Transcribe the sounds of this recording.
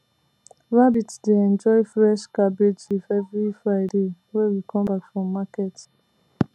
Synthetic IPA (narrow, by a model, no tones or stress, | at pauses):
ɹabitdeɛ̃nd͡ʒɔɪfɹɛʃkabed͡ʒifɛvɹifɹaɪde | wɛwikʰɔ̃mbakfɹɔ̃mːakɛt